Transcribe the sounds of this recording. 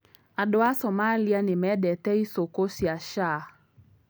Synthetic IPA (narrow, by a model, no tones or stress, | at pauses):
adʊasɔmalianɪmɛdɛtɛisokosiaʃa